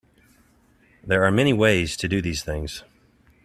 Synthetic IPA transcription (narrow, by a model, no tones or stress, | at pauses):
ðə˞amɛɾ̃iweɪz̥tʰɨdɨðiz̥θɪ̃ŋz̥